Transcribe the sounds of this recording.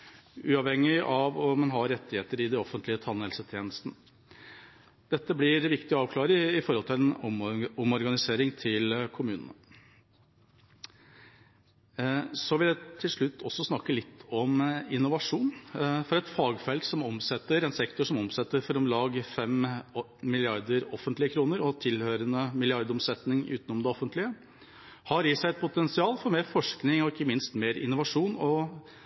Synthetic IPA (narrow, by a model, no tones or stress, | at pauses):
ʉ̰ːɑʋhɛŋːɪʔɑʋɔmɛnɦɑɾɛt̪ːɪheːt̪əɾɪd̪ɛɔfənt̪lɪət̪ʰɑnːɛlsət̪ʰjeːnəst̪nə | d̪̥ɛt̪ːəblɪɾʋɪkt̪ɪɑːʋkʰlɑːɾəɪfɔɾhɔlt̪ʰɪlɛnɔɔmɔɾɡɑnɪseːɾɪŋt̪ʰɪlkʰʊmʉːnənə | sɔʋɪldɛt̪ʰɪlʂɭʉt̪ʰːɔsːɔsnɑkːəlɪt̪ʰːɔmɪnːʊʋɑʂuːnfɔɾɛt̪fɑːɡfɛlksɔmɔmsɛt̪ːəɾɛnsɛkt̪ʊʂɔmɔmsɛt̪ːəɾfɔɾɔmlɑːɡfɛm | mɪlɪɑɾd̪əɾɔfənt̪lɪəkʰɾuːnəɾɔt̪ʰɪlhøːɾənəmɪlɪɑɾd̪ɔmsɛt̪nɪŋʉ̰ːt̪nɔmd̪ɛɔfənt̪lɪə | hɑɾjiːsæɪɛt̪̚pʰʊt̪ɛnsɪɑːlfɔɾmeːɾfɔʂknɪŋɔɪkːəmɪnst̪meːɾɪ̰nːʊʋɑʂuːnɔ